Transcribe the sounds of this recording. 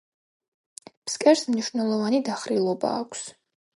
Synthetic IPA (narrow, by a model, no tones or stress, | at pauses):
pʰskʼɛɾsmniʃnɛlˠɔvanid̪aχɾilˠɔba̰ːkʷʼʰs